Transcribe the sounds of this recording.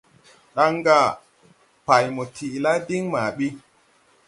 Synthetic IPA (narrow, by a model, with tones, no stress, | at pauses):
ɗa˦ŋɡa˦˨ | pa˨jmo˨tʰi˨la˦di˦ŋma˨ɓi˦